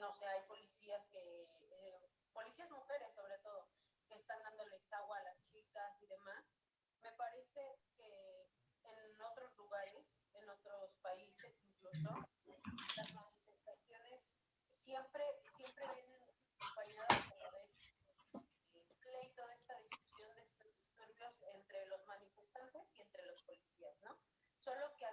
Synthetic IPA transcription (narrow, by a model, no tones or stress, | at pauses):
no̞seajpo̞lisiaske | po̞lisiazmuxe̞ɾe̞sːo̞βɾe̞t̪o̞ðokeːst̪and̪and̪o̞lesaɣwaːlast͡ʃikasiðe̞mas | me̞paɾe̞se̞keː | no̞t̪ɾo̞zluɣaɾe̞seno̞t̪ɾo̞spaise̞siŋkluso̞ | lazmanife̞st̪asjo̞ne̞sː | je̞mpɾe̞sje̞mpɾe̞βjenenũaakompaɲaðaspoloðest̪e | plejt̪oðe̞st̪aðiskusjo̞nd̪eest̪ozðist̪oɾβjo̞se̞nt̪ɾe̞lo̞zmãnife̞st̪ant̪e̞sie̞nt̪ɾe̞lo̞spo̞lisiasno̞ | so̞lo̞kea